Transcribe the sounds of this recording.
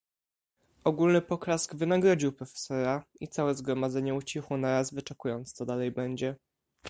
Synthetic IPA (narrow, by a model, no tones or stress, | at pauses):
ɔɡulnɘpɔkɾaskvɘnaɡɾɔd͡ʑiwpɾɔfɛ̥sɔɾait̪sawɛzɡɾɔmad̪zɛɲɛut͡ɕixwɔnaɾazvɘt͡ʂɛkujɔnt̪st̪ɔd̪alɛjbɛɲd͡ʑɛ